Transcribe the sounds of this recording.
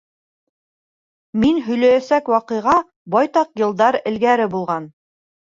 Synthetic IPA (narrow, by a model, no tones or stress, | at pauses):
minɦɵ̆jlæjæsækwɑqɤ̆jʁɑ | bɑjt̪ɑqjɤ̆lˠd̪ɑɾɘ̆lɡæɾɘbulˠʁɑn